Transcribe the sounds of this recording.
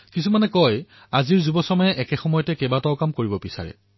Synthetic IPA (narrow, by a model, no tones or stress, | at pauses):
kisumanɛkɔj | aziɹzubɔsɔmɔjɛʔɛkɛxɔmɔjɔtɛkɛbataʊkamkoɹibɔbisa̰ɹɛ̰